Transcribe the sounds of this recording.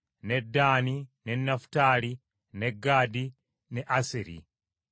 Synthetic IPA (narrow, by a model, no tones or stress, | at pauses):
nedaːninenːaftaːli | neɡaːdi | neʔaseɾḭ